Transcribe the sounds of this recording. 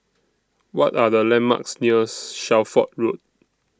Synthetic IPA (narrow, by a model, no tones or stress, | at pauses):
wɔtadəlɛ̃mma̰ksniəsʃaʊfɔt̚ɹot̚